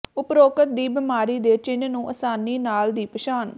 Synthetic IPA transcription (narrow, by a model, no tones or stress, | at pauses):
ʊpɾoːkət̪̚d̪iːbɪmaːɾiːd̪eːt͡ʃɪnnũːʔəsaːniːnaːld̪iːpəʃaːn